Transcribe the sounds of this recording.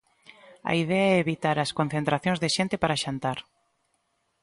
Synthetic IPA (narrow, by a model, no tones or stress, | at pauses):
ɐ̰iðɛaɛeβit̪aɾɐskõn̟θẽnt̪ɾaθjõŋzðeʃent̪epaɾaʃant̪aɾ